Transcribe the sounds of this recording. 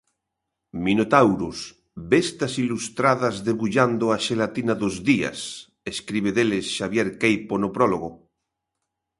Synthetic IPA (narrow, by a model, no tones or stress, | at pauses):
minot̪awɾos | best̪asilust̪ɾaðazðeβuʎand̪oaʃelat̪inaðozðia̰s | eskɾiβ̞eðelesʃaβ̞jeɾkejponopɾoloɣo